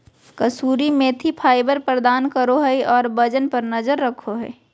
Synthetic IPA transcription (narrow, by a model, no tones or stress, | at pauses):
kəsuːɾimẽt̪ʰipʰaːɪbəɾpɾəd̪aːnkəɾoɦəɔːɾbəd͡ʒənpəɾnəzəɾːəkʰoɦɛ̰ː